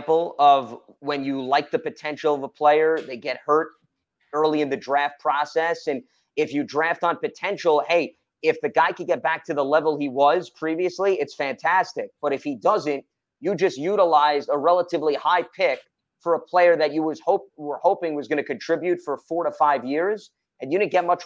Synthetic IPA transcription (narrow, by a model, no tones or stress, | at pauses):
pl̩ˠʌv | wɨ̃njɨlaɪk̚ðɨpɨtʰɛ̃nʃl̩ˠʌvəpʰl̥eɪə˞ðeɪɡɛt̚hɜ˞ɾ | ɜ˞lˠiɨ̃nðɨdɹæft̚pʰɹ̥ɑsɛsɨ̃n | ɪfjɨdɹæftn̩pɨtʰɛ̃nʃl̩ˠheɪ | ɪfðɨɡaɪkʰɨd̚ɡɛt̚b̥æk̚tʰɨðəlɛvl̩ˠiwʌz̥pʰɹ̥iviɨsliʔɨtsfæ̃ntʰæstɪk̚b̥ʌɾɨfhidʌzɨ̃n | ɨd͡ʒʌst̚jʉɾəlaɪzəɹɛlˠəɾɨvlihaɪpʰɪk̚ | fə˞əpʰl̥eɪə˞ðɨt͡ʃɨwʌz̥hoʊpwə˞hoʊpɪ̃ŋwʌzɡʌñɨkɨ̃ntʰɹ̥ɪbjʉtfə˞fɔɹɾəfaɪvjɪɹz | ɨ̃njɨɾɪdⁿn̩ɡ̥ɛt̚mʌt͡ʃ